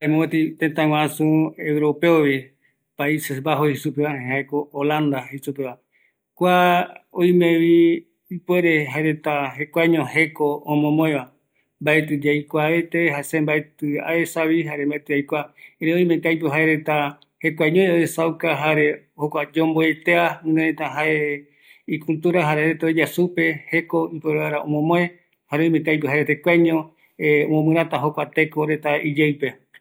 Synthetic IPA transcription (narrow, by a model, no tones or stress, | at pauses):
emõet̪it̪ẽnt̪ãwãsũewɾopeoβi | paisesbaɦoisupeβaẽɦaekoolãnd̪ahesupeβa | kʷaoj̃mẽβiː | pweɾeɦaeɾet̪aɦekʷajɲõɦekoõmõmõẽβa | mbaet̪ɨd͡ʒajkʷaet̪eɦasẽmbaet̪ɨa̰esaβiɦaɾembaet̪ɨajkʷaeɾeoĩmẽkajp̬ɨɦaeɾe̞t̪a | hekʷaɲõjoesawkaɦaɾe̞ | hokʷad͡ʒõmboet̪eãnẽet̪aɦae | ikult̪uɾaɦaɾeɾet̪oid͡ʒasupe̞he̞ko̞ipeɾeaɾaõ̰mõmõẽ | haɾeõj̃mẽkajpɨɦaɾet̪ekʷaɲõ | õmõmɨ̃ɾãt̪aɦokʷat̪e̞koɾe̞t̪aid͡ʒejpe